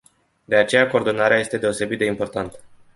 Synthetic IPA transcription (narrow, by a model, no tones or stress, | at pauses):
d̪e̞at͡ʃe̞jako̞ːrd̪o̞naɾeaje̞st̪e̞d̪e̞o̞se̞bit̪̚d̪e̞impo̞rt̪ant̪ə̥